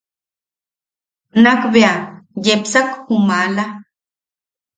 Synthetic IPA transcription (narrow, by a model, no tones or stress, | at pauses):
nakbeajepsakhumala